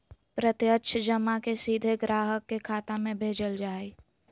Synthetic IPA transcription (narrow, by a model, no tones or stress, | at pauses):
pɾət̪jətːʃʰd͡ʒəmakesiːd̪ʱeɡɾaːɦəkːekʰaːt̪amẽbʱeːd͡ʒəld͡ʒaːe